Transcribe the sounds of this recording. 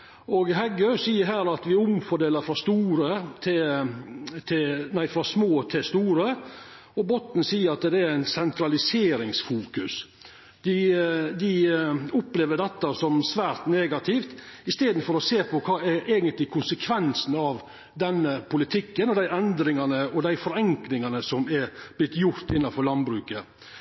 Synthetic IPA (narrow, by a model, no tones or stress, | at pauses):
ɔɡɦɛɡœsiːəɾɦæːɾɑt̪ʋɪʊmfɔɖeːləɾfɾɑst̪uːɾət̪ʰɪ | t̪ʰɪnæɪfɾɑsmoːt̪ʰɪlst̪uːɾə | ɔbɔt̪ːn̩siːəɾɑt̪d̪ɛɾæɪnsɛnt̪ʰɾɑlɪseːɾɪŋsfuːkʉs | d̪ɪd̪ɪʊpleːʋəɖ̪ɛt̪ːɑsɔmsʋæːɾt̪neːɡɑt̪ʰɪft̪ɪst̪eːd̪n̩fɔɾɔseːpʰɔkʰɑːɛɾʔeːɡənt̪lɪkʰʊnsəkʰʋɛnsnɑʋ | d̪ɛnːəpʰʊlɪt̪ʰɪkːənɔd̪æɪʔɛnd̪ɾɪŋɑnəɔd̪æɪfɔɾɛŋklɪŋɑnəsɔmɛɾb̥lɪt̪ːjʊɾt̪ɪnːɑfɔɾlɑnbɾʉːkə